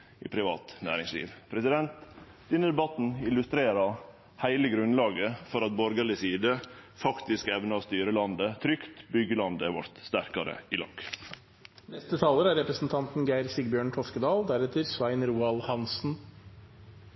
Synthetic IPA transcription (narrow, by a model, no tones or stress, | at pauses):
ḭːpʰɾɪʋɑ̰ːt̪næ̰ːɾɪŋslḭːʋpʰɾɛsɪd̪ɛnt̪ | d̪̥ɪnːəd̪ɛbɑt̪n̩ɪlʉst̪ɾeːɾɑ | hæɪləɡɾʉnlɑːɡəfɔɾɑt̪̚bɔɾɡɑɭɪsiːd̪əfɑkt̪ɪskɛʋnəɔst̪yːɾəlɑnd̪ət̪ʰɾʏkt̪bʏɡəlɑnd̪əʋɑ̰ɾt̪st̪æɾkɑɾə̰ɪlɑ̰ːɡ̥ | nɛst̪ət̪ʰɑːləɾæɾɛpɾəsn̩t̪ʰɑnt̪n̩ɡæɪɾsɪɡbjøːɳkʰɔskəd̪ɑːld̪æɾɛt̪əɾsʋæɪnɾuːɑlhɑnsn̩